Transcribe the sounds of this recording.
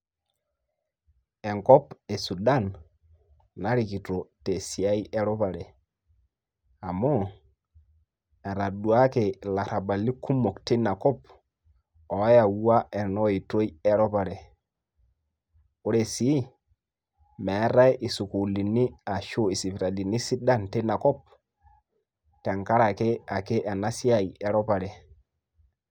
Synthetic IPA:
ɛ˨ŋkɔ˦pɛ˨su˨da˦˨nː | a˦ɾi˨ki˨to˨te˨si˨a˦i˦ɛ˦ɾɔ˦pa˨ɾɛ˨ | a˨mɔ˦ | ɛ˨ɾa˨du˨a˦ke˨la˨ɾa˨ba˨li˦kʰu˦mo˨kte˦na˨kɔ˦p | ɔ˨˦ja˨wu˦a˦e˨nɔ˦i˨to˦i˦e˦ɾɔ˦pa˨ɾe˨ | o˦ɾe˨si˦ | me˨˦ɾa˦jʔi˨su˨ku˨li˨ni˦a˨ʃo˦i˨si˨pɾa˨di˨ni˦si˦da˦nte˦na˨kɔ˦p̚ | te˨ŋka˦ɾa˨ke˦a˨ke˦ʔa˨na˦si˦a˨je˨ɾɔ˦pa˨ɾe˨

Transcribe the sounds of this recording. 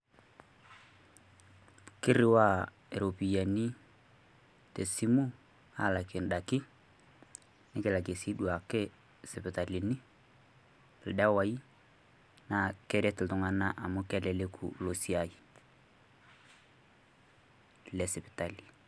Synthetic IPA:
kɪ˦ɾɪ˦wa˦ | e˨ɾo˨pi˨ja˨ni˦ | te˨si˦mu˦ | a˦la˨kɪ˨nɗa˨kɪ˦ | nɪ˦kɪ˨la˨ke˨si˦du˨a˨kɪ˦ | sɪ˨pɪ˨ta˨li˨nɪ˦˨ | lda˦wa˨˦i˦ | na˨kɛ˦ɾɛ˦tɪ˨tʊ˨ŋa˨na˦ʔa˨mʊ˦kɛ˦lɛ˨le˦kʰṵ˨lo˨si˦a˨ji˨ | lɛ˨sɪ˨pɪ̥˨ta˨li˨

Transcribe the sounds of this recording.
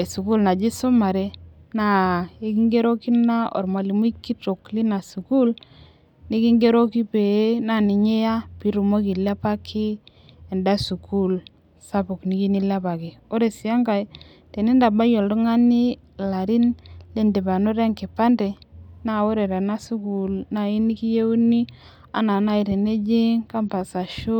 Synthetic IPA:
e˨su˨ku˦lna˨d͡ʒi˦so˦ma˨ɾe˦na˦i˦ki˦ŋɡe˦ɾo˦ki˦na˦ɔ̰˨ɾma˨li˨m˦i˦ki˦to˨kli˦na˨su˨ku˦l | ni˦ki˦ŋɡe˦ɾo˦ki˦pe˨˦na˦˨ni˨ɲe˦ja˦pi˨˦ɾu˨mo˦ki˨la˦pa˦kʰi˦ | e˨nda˦su˨ku˦l | sa˦pʊ˨kni˦ki˦ni˦la˦pa˨ki˨o˦ɾe˨si˨a˦ŋɡa˨j | te˨ni˦nda˨ba˦jo˨ldʊ˦ŋa˦ni˦ | la˨ɾi˦nle˦nde˨ba˨no˦ɾe˦ŋkɪ˨pa˦nde˨na˦˨o˦ɾe˨ɾa˨na˦su˦ku˨lna˨i˦ni˦ki˦je˦u˦ni˦ | a̰˦na˨na˦i˨ɾe˨ne˦d͡ʒi˦ŋka˦mpa˨sa˨ʃu˦

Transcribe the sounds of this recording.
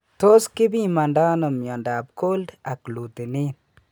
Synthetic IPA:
to˦skɪ˦bi˦ma˨nda˦no˨mjɔ˨ndap̚ko˦lda˨klu˨te˨neː˦n

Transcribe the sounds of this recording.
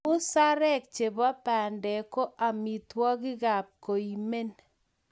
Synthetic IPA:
ʊ˦sa˦ɾɛ˦k̚t͡ʃe˨ba˦pa˨ndɛ˨ko˦ʔa˨mi˨twɔ˦ɡɪ˦ɡa˨p̚ko˨i˨me˦n

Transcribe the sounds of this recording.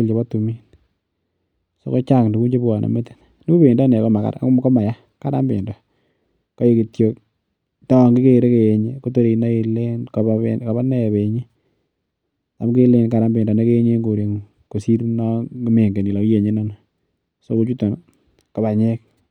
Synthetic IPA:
lt͡ʃe˨ba˦tu˨mi˦n | so̰˦ko˦t͡ʃa˦˨kdu˨ku˦t͡ʃe˦pwa˨nʔa̰˨me˦ti̥˨n | ni˦bo˦be˨ndɔ˦n˨a˨kɔ˦ma˨ka̰˦ɾa̰˨˦kɔ˦ma˨ja˦ | ka˦ɾa˦mbɪ̰˨ndɔ˨ | kɔ˦e˦ki˨tjo˦k | tɔ˦˨ŋɡɪ˦ke˦˨ɾe˦ke˨je˨ɲe˦ko˦to˦ɾe˨na˦i˨le˦nkɔ˨ka˨ba˦nɛ˦e˨be˨ɲe˦ | ta˨mke˦le˦nka˨ɾa˦mbɪ˨ndɔ˨ne˦ke˦ɲe˦ŋɡo˨ɾe˨ŋu˨ | ko˨si˦ɾnɔ˦me˨ŋɡe˨ni˨lɔ˨kje˨ɲe˦nɔ˦na˨ | so˦ko˦t͡ʃu˦to˨n | ko˨ba˨ɲe˦k̚

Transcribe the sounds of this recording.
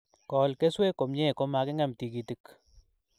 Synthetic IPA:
kɔ˨lke˦swe˦ko˨mɲe˦˨ko˦ma˨ke˦ŋa˦mti˨ki˨ti˨k

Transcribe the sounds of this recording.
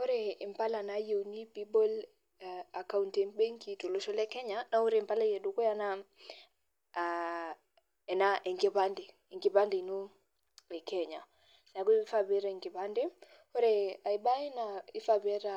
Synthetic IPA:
o˦ɾeː˨mpa˦la˨na˦jo˨ni˦pi˦bo˦l | a˨ka˦unte˨ŋbe˦ŋki˨to˨lo˦ʃɔ˦lɛ˦kɛ˦ɲana˦u˦ɾe˨mpa˦la˦je˨du˦kɔ˦ja˦na | ɛ˨naʔe˨ŋɡe˨pandi˨ | i˨ŋɡi˨pa˦ndi˨nu˦ | le˨kɛɲa˨ | sa˨˦ku˦fa˨βe˦ɾai˨ŋɡi˨pa˦ndi˦ | o˦ɾea˨iɓa˦i˦nai˦fabe˦ɾa

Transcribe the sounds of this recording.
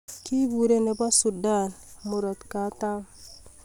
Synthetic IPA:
ki˦bu˨ɾe˦ne˨ba˦su˨da˦˨nmu˨ɾɔ˨t̪ka˨˦ta˦m

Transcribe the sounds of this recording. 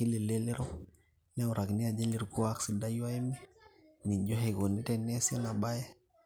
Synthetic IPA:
i˦li˨le˦le˦ɾo˦ | le˦wu˨ɾʔa˨ɡni˦a˨d͡ʒe˦li˨ɾku˦a˨ksi˨da˦jwa˦je˦mi˦ | mi˨d͡ʒo˦ɦe˨ɡo˨ni˦te˨ne˦sa˦na˨ɓa˦je˦

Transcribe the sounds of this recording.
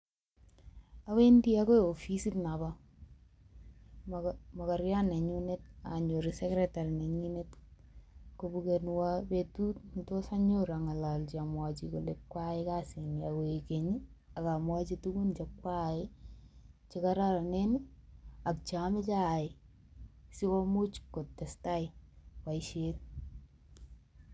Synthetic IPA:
a˦we˦ndi˦ako˦˨o˨fi˦si˦tna˨ba | ma˨ka˨ɾja˦ne˨ɲu˦ne˦t̚a̰ɲo˨ɾisɛ˦kɾɛta˨ɾi˨ne˨ɲi˦net | ko˨bukenwapetu˦tnto˦sa˦ɲo˦ɾa˨ŋa˨la˨lt͡ʃi˨a˨mwa˨t͡ʃiko˨lekːwa˦ɪka˦sɪ˨niako˨ikeɲi | a˨kamwa˦t͡ʃitu˦ku˦nt͡ʃekwa˦ɪ | t͡ʃɪka˦ɾa˦ɾa˨nenɪakt͡ʃamɪ˦t͡ʃa˦ɪ˨ | si˦kɔ˦mu˦t͡ʃko˨tːɛ˨sta˦ɪwa˨ɪʃel

